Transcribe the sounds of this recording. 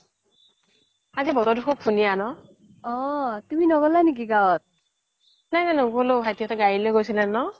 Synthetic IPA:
azibɔtɔdʱukʰɔk̚pʰunijanɔ | ɔtuminɔɡɔlanik̬iɡawɔt̚ | najnajnoɡolobʰajtijɔtɛɡaɹilojɡojsilɛnɔ

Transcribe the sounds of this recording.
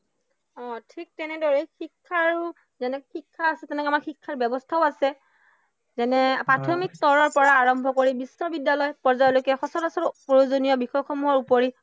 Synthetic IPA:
ɔ̃tʰik̚tɛnɛdɔɹɛxikʰːaɹu | zɛnɛxikʰːaːsɛtɛnɛkamaɹxikʰːaɹbɛbɔstʰaʊasɛ | zɛnɛpɹatʰɔmik̚t̪ɔɹɔɹpɔɹaːɹɔmbʱɔkoɹibisnɔbidːalɔjpɔɹzajɔlokɛxɔsɔlasɔpojozonijɔbixɔjxɔmuɦɔɹupoɹi

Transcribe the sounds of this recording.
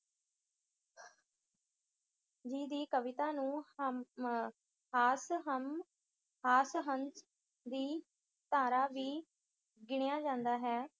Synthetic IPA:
d͡ʒiːd̪iːkəʋɪt̪aːnũːm | haːsɦəm | haːsɦəns | d̪iː | t̪aːɾaːʋiː | ɡɪɽjaːd͡ʒãːnd̪aːɦɛː

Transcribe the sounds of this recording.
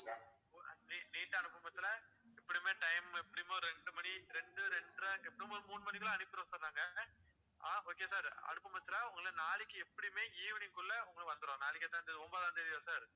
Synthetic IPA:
iniːʈːɯɐɳɯpːɐmɐt̪ːɪlɐ | ɛpːɐɽimeːʈɐɪmɛpːɐɽimoːɾɛɳɖɯmɐɽiɾɛɳɖɯɾɛɳɖɾɐɛpːɐɽimoːɾmuːnɯmɐnɪkːɯɭɐ̃ɐnɯkːɪɾõːsɔlːaːŋɡɐ | aːoːkeːsaːɾɐ̰ɳɯpːɐmɐt̪ːɪlɐʊŋɡɐɭnaːlɪkːɯɛpːɐɽimeːiːʋɪnɪŋkʊɭːɐʊŋɡɐɭkʋɐnd̪ɯɾõːnaːlɪkːɐt̪ːãːnd̪ɐðɔmbɐːðaːɐnd̪ɐɪðɪjasaːɾ

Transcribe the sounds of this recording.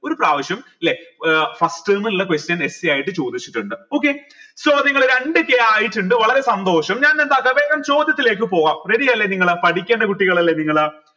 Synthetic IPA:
o̞ɾupraːʋɐɕjɐmilːefɐsʈɨːmɨnuɭːɐkwestjɐne̞sijaːjiʈːɨt͡ɕo̞ːd̪it͡ɕːiʈːuɳɖɨo̞ːkːe | soːniŋːɐɭoɾeɳɖɨkeaːjiʈːuɳɖɨʋɐɭɐɾe̞sɐnd̪o̞ːʂɐmɲaːnnend̪aːkːɐʋe̞ːɣɐmt͡ɕo̞ːd̪jɐt̪ːile̞ːk̬ːɨpo̞ːɣaːmreɾijɐlːeniŋːɐɭɨpɐʈikʲːeːɳɖɐkuʈːiɣɐɭɐlːeniŋːɐɭɨ

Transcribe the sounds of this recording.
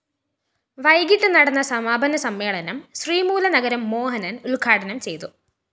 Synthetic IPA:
ʋɐjɡiʈːɨnɐɽɐnːɐsɐmaːbʱɐnɐsɐmːe̞ːɭɐnɐmɕriːmuːlɐnɐɣɐɾɐmːo̞ːɦɐnɐnuɭɡʰʱaːʈɐnɐmt͡ɕe̞jt̪u

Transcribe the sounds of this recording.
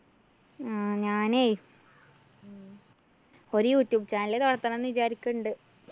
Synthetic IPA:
aɲaːneː | o̞ɾujuːtːjuːbt͡ɕaːnilet̪oɽɐt̪ːɐnɐnːʋit͡ɕaːɾikʲːuɳɖɨ

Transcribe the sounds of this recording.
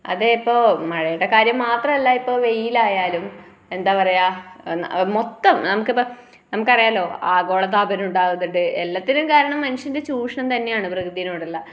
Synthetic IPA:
ɐ̰ðeipːo̞ːmɐɻɐjiʈːɐkaːɾjɐmːaːt̪rɐmɐlːaipːo̞ːʋe̞jilaːjaːlum | e̞nd̪aːpɐrɐjanmot̪ːɐmnɐmukːɨpːɐ | nɐmukːɐrijaːlo̞ːaːɡo̞ːɭɐt̪aːbɐnuɳɖaːʋɐðiʈːɨelːɐt̪ːinukaːɾɐɳɐmːɐnuʂindet͡ɕuːʂɐɳɐmt̪ɐnːejaːɳɨprɐɣd̪ijɐnoːɽɐlːɐ

